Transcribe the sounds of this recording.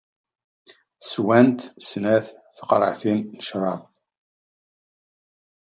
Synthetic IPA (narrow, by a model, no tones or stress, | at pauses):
swænt̪snæθθə̥qɾˤə̰ʕθinːəʃɾˤɑm